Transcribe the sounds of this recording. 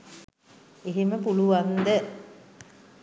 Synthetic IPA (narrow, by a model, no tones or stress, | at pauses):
eɦeməpuluʋand̪ə